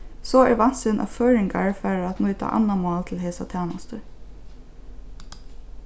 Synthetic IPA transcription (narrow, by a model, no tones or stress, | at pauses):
sɔɛɹʋɑn̥sɪnʔa̰føːɹɪŋkaɹfæːɹɾat̪nuːjt̪ʰa̰ʔa̰nːamɑːlt̪ʰɪlɦeːsat̪ʰæːnast̪əɹ